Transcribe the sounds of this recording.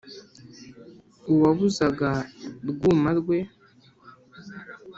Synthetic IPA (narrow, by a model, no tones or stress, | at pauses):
uβaβuzaɡaɾɡuːmaɾɡwe̞